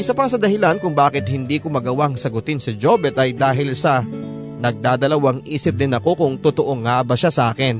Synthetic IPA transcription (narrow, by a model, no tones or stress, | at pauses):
ʔɪsɐpɐsɐd̪ɐhɪlankʊŋbaːkɪt̪̚hɪnd̪iːkomɐɡɐwaʔŋsɐɡʊt̪ɪnsɪd͡ʒoːbɛt̪ʔɐjd̪aːɦɪlsɐ | nɐɡ̚d̪aːd̪ɐlɐwaŋʔiːsɪp̚d̪ɪnɐko̞kʊŋt̪ʊt̪oʔo̞ŋaːbɐʃasɐʔaːkɪn